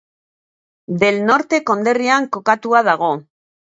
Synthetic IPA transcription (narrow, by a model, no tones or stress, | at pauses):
d̪e̞lno̞ɾt̪e̞ko̞nd̪e̞riaŋko̞kat̪uaðaɣ̞o̞